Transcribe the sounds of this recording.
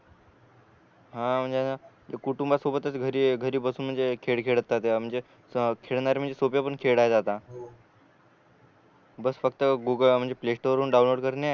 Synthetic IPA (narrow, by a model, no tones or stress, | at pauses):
ɦãm̤əɳd͡zea | kuʈumbasobət̪əsɡʱəɾiːɡʱəɾiːbəsuːnm̤əɳd͡zekʰeɽkʰeɭət̪ːat̪em̤əɳd͡ze | kʰeɭɳaɾem̤əɳd͡zesopjapəɳkʰeɽajed͡zat̪a | bəsfək̚t̪əɡuɡəm̤əɳd͡zepleʂʈoʋəɾuːnɖawnloːɖkəɾne